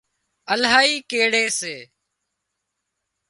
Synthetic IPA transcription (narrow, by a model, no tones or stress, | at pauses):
əlɦaːiːkeːɽeːseː